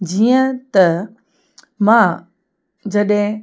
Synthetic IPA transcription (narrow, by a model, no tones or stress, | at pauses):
d͡ʑiːə̃t̪ɐ | mã | d͡ʑɐɗɦẽ